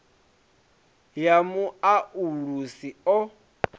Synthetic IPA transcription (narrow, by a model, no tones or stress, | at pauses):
jamuaʔuɺusiɔ